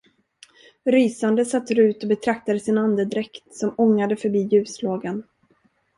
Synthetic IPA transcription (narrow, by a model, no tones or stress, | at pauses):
ɾyːsand̪əsat̪ːɾʉ̟ːt̪ɔbɛt̪ʰɾak̚t̪ad̪əsɪnand̪əd̪ɾɛkt̪sɔmɔŋːad̪əfœɾbiːjʉ̟ːsloːɡan